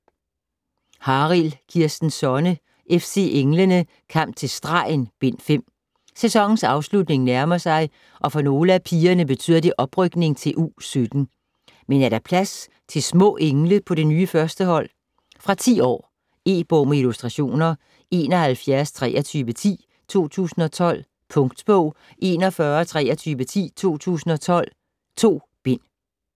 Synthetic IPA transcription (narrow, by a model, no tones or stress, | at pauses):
hɑ̈ːʁilkʰiɐ̰sd̥n̩sɒnə | ʔefse̝̰ʔeŋlənə | kʰɑm̰t͡sʰe̝lsd̥ʁɑ̰̈ɪnb̥e̝n̰fem̰ | sesɒ̽ŋ̰n̩sɑ̈ʊslud̥ne̝ŋnæɐmɐsɑ̈ɪ | ʔɒ̽fɒ̽no̝ːləæpʰiːɐnəb̥e̝t͡sʰy̰ːð̰ˠɐd̥e̝ʔɒ̽b̥ʁœɡ̥ne̝ŋt͡sʰe̝lʔuːsød̥n̩ | menæɐɾ̥æpʰlæs | t͡sʰe̝lsmɔ̰̽ːʔeŋləpʰɒ̽ɾ̥e̝nyːəfɶɐsd̥əɦɒ̽l̰ | fʁɑ̈t͡sʰḭːɒ̰ː | e̝̰ːb̥ɔʊmeilusd̥ʁɑ̈ɕo̝̰ːnɐ | e̝̰ːnɒ̽hælfjæɐst͡sʰʁɛːʔɐt͡sʰyːʋət͡sʰḭː | t͡sʰo̝̰ːt͡sʰṵːsn̩ɒ̽t͡sʰɒ̽l̰ | pʰɔ̽ŋɡ̥d̥b̥ɔʊ̰ | ʔe̝ːnɒfɶːɐt͡sʰʁɛ̰ɐt͡sʰyːʋət͡sʰḭːt͡sʰo̝̰ːt͡sʰṵːsn̩ɒ̽t͡sʰɒ̽l̰ | t͡sʰo̝̰ː | b̥e̝n̰